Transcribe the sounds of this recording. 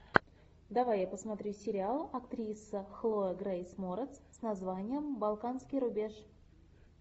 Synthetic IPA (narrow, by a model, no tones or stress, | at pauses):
d̪avajapəsmɐt̪ɾʲusʲɪɾʲɪalˠɐkt̪ɾʲisːəxlˠoəɡɾajsmoɾət̪ssnazvanʲɪjəmbalˠkanskʲijɾʊbʲe̞ʂ